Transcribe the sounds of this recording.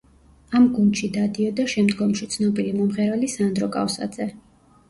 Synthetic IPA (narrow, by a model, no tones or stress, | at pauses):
amɡund̪ʃid̪ad̪iɔd̪aʃɛmd̪ɡɔmʃit̪sʰnɔbiɾimɔmʁɛɾalisand̪ɾɔkʼa̰fsa̰d̪z̥ɛ